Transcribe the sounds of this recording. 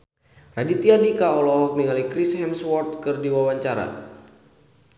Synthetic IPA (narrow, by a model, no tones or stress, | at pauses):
radit̪iadikaɔlɔɦɔk̚niŋalikɾishɛmswɔrt̪̚kɨrdiwawaɲt͡ʃaɾa̰